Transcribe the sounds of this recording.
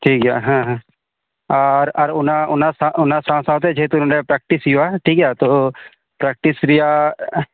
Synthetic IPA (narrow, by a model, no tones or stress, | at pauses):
ʈʰiːkɛja̰ɦãɦã | aɾɐɾʊnaʊnasãʔʊnasãsãːt̪̬ed͡ʒet̪unɖapɾɛk̚ʈɪsjoaʈʰiːkat̪o | pɾɛk̚ʈɪsɾija